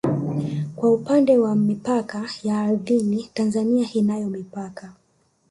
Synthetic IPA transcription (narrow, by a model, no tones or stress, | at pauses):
kwaupandɛwamipakajaːɾðinitanzaniaʔinajɔmipaka